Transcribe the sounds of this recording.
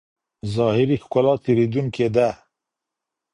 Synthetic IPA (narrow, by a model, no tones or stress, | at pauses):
zɑhɪɾixkʊlɑt̪ʰeɾid̪uŋked̪a